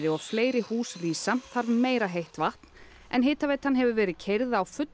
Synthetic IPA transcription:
ɾɪɔɣfleːjɾɪhuːsriːsaθaɾvmeːjɾaɦejht̪vaht̪n̥ | ɛnɦeːt̪avejt̪hanːɦɛvʏvɛːɾɪðcʰejɾðawfʏt̪

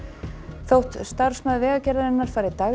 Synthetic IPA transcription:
θowht̪st̪aɾ̥smœðvɛːɣacɛːɾðaðɛnːaɾ̥faːjɾɪt̪a

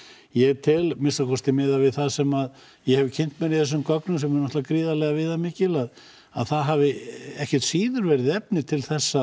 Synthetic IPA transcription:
jɛɣt̪ʰɪlmɪnsakʰɔst̪ɪmɪːðavɪðθaðsɛmað | jɛhɛvɪcʰɪn̥t̪mɛɾiθɛsːʏmkɔknʏms̬ɛmːɛɾnɔht̪vakɾiːðalɛɣavɪðamɪːcɪlað | aðθaðɦavɪɛhcɛr̥t̪siːðʏɾvɛɾɪðɛpnɪt̪ʰɪlθɛsːa

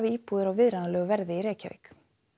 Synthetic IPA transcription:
vɪiːpuðʏɾawvɪðɾanalɛːɣʏvɛɾðɪiɾeːjcavɪ̰k

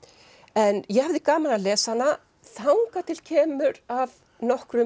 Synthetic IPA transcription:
ɛnjɛhavðɪkaːmalnalɛːsana | θawŋkat̪ʰɪlcʰɛːmʏɾav | nɔhkɾʏ

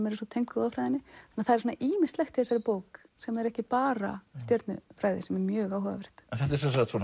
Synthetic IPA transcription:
mɛɾɪsɔt̪ʰejŋkʏðafɾajðɪnːɪanːaθaɛɾsɔnaʔiːmɪst̪lɛxt̪ɪɛsaɾɪpoːwk | sɛmɛɾɛhcɪpaːɾa̰st̪jœɾt̪nʏ̰fɾaːjðɪ̰sɛmɛɾmjœːɣaːwɦɔða̰vɛr̥t̪ɛnθɛht̪ɛɾsɛns̬at̪sɔn

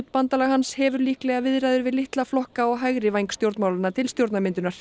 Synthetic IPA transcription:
t̪pant̪alaɣhanshɛvʏɾliːhklɛɣavɪðɾajðʏɾvɪðlɪht̪laflɔhkaɔɣɦajɣɾɪvajŋkst̪jowɾt̪maːwlanːat̪ʰɪlst̪jowɾt̪namɪnt̪ʏnaɾ̥

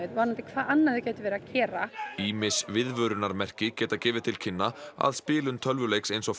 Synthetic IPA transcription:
et̪vaɾnat̪ɪkʰv̥aːðanːaðɪcɛːt̪ɪvɛːɾacʰɛːɾaiːmɪsvɪðvœɾʏnaɾmɛr̥cɪcɛːt̪acɛːvɪð̥t̪ʰɪl̥cʰɪnːaa̰ðspɪːlʏnt̪ʰœlvʏlejksejnsɔ

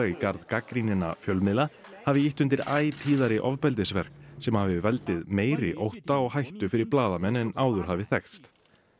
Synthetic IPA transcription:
ikaɾðkakɾinɪna̰fjœlmɪla | havɪiht̪ʏnt̪ɪɾaːjt̪ʰiːðaɾɪʔɔvpɛlt̪̬ɪsvɛr̥ksɛmhavɪvɛlt̪ɪðmeːjɾɪʔowht̪aɔɣhajht̪ʏfɪɾɪɾ̥plaːðamɛnːɛnaːwðʏɾ̥ɦavɪθɛkst̪

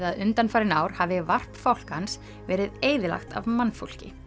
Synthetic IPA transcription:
ðaðʏnt̪anfaːɾɪnaːwɾ̥havɪvar̥pfawl̥kans | vɛːɾɪðeːjðɪla̰xt̪a̰vmanːfo̰wl̥cɪ̰

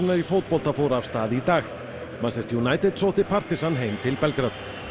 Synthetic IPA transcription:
nːaɾifowt̪̚pɔl̥t̪afoːwɾaːvst̪aːðit̪aːx | masɛst̪ʰjunaːjt̪ɪt̪sowt̪ɪpʰar̥t̪ɪsanɦejmt̪ʰɪlpɛlkɾat̪

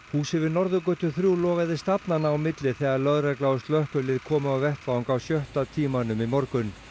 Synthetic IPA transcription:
huːsɪvɪnɔɾðʏkœt̪ʏθɾjuːlɔːɣaðɪst̪apnanaːwmɪt̪lɪθɛɣaɾlœðrɛklaːwʏst̪lœhkʏlɪðkʰɔːmʏawvɛht̪vawŋkawsjœht̪at̪ʰiːmanʏmimɔɾkʏn

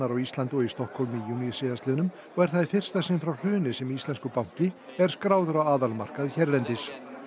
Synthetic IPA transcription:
aɾawist̪lant̪ʊɔist̪ɔhkʰɔlmijunisɪðast̪œːnʏm | ɔɣɛɾ̥θaðfɪr̥st̪asɪnfɾawr̥ʏːnɪsɛmiːst̪ɛnskʏpawŋ̥cɪɛɾ̥skɾaːwðʏɾawaːðalma̰r̥kaðçɛɾlɛnt̪ɪs

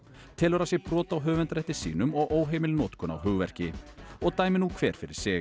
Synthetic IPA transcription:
t̪ʰɪlɔɾasjɛpɾɔːt̪awɦœːvɛnt̪ɾɛht̪ːɪsḭːnʏmɔɣʔoːwɦejmɪlnɔːt̪kʰɔna̰wɦʏɣvɛr̥cɪɔɣt̪aːjmɪnːukʰvɛːɾ̥fɪɾɪɾ̥sɪː

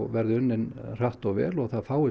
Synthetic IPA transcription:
vɛɾðʏʏnːɪnr̥aht̪ɔɣvɛ̰ːlɔɣθaðfaːwɪ

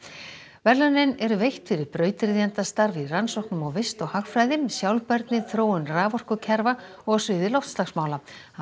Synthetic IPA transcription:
vɛɾlœnɪnɛɾʏvejht̪fɪɾɪɾpɾœːɥt̪ɪɾðiant̪ast̪aɾviransɔwhknʏmɔɣvɪst̪ɔɣhaxfɾajðɪmsjawlpɛɾt̪nɪθɾoːwʏnraːvɔr̥kʏcʰɛɾvaɔɣsʏːðɪlɔwft̪slaxsmaːwla

